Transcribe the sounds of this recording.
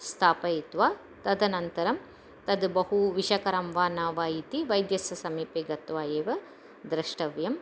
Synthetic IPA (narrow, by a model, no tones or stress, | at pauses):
st̪ʰaːpɐit̪ʋaː | t̪ɐd̪ɐnɐnt̪ɐɾɐm | t̪ɐd̪bɐɦuʋiʃɐkɐɾɐmʋaːnaːʋaːjit̪iʋɐjd̪jɐsɐsɐmiːpeɡɐt̪ʋaːjeːʋɐ | d̪ɾɐʂʈɐʋjɐm